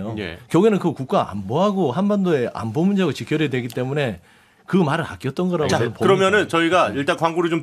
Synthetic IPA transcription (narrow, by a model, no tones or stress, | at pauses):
jojḛkjʌɡuenɯnkɯkuk̚k͈aa̰mboɦaɡohanbandoe̞ʔa̰mbomund͡ʑeaɡot͡ɕikʰjʌɾidwe̞ɡit͈e̞mune̞ | kɯmaɾɯɾa̰k͈jʌt͈̚ʌnɡʌɾaɡɯpʌkɯɾʌmjʌnɯnt͡ɕʌiɡaiɭt͈ankwaŋɡuɾɯɭt͡ɕom